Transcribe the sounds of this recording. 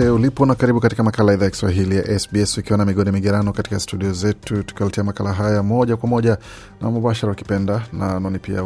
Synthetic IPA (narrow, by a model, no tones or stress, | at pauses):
ɛulipɔnakaɾiɓukatikamakalaɛðaːjaki̥swaɦilijaʔɛsbiɛsukiwanamiɠɔnimiɠaɾanɔkati̥kastuɗiɔzɛtutu̥kiwaltiamakalaɦajamɔʄakwamɔʄa | na̰muɓaʃaɾauki̥pɛndananɔnipia̰